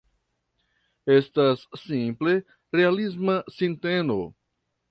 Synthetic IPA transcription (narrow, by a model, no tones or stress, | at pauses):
estasːĩmple | ɾealizmasĩnteno